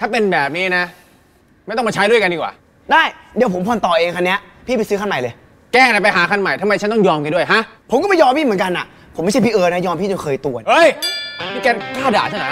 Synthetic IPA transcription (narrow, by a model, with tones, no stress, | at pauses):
t̪ʰaː˥˩pe˧nbɛː˨˩p̚niː˦˥na˦˥ | ma˥˩t̪ɔ˥˩ma˧˩t͡ɕʰjdu˥˩əjka˧ndiː˧˩kwa̰ː˨˩ | daː˥˩jdi˨˧əpʰo˩˦mpʰɔː˧nt̪ɔː˨˩ʔeː˧ŋkʰa˧nːi˦˥ɐ | pʰiː˥˩pa˧sɯː˦˥kʰa˥˩nma˨˩jlɤː˧j | kɛː˥˩ŋa˧˩pa˧jɦaː˩˦kʰa˧˥˩nma˨˩jt̪ʰa˧ma˧jt͡ɕʰa˦˥nt̪ɔ˥˩ŋjɔː˧mka˧du˥˩əjɦa˦˥ʔpʰo˩˦mkɔ˥˩ma˧jɔː˧mpʰiː˥˩mɯ˩˦nka˧nʔa̰˨˩ | pʰo˩˦mː˥˩jt͡ɕa˥˩pʰi˥˩ʔɤː˧na˧˦˥jɔː˧mpʰiː˥˩t͡ɕo˧˩kʰɤː˧jt̪u˧˩ənʔɤ˧˥˩jʰi˥˩kɛː˧kʰaː˥˩da̰ː˨˩t͡ɕʰa˥˩na˦˥